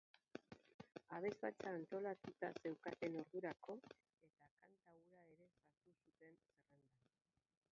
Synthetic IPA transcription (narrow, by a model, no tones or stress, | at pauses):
aβ̞e̞zβa̰t͡saːnt̪o̞lat̪ut̪ase̞wkat̪e̞no̞ɾðuɾako̞ | e̞t̪akant̪auɾae̞ɾe̞saɾt̪usut̪e̞nserend̪a